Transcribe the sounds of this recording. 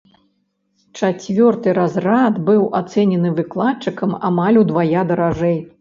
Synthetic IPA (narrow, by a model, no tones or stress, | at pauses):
t͡ʂat͡sʲvʲɔrt̪ɨɾazrad̪bɨwʔat̪sɛnʲɛnɨvɨklˠatt͡ʂːɨkɐma̰malʲud̪vajad̪ɐɾaʐɛj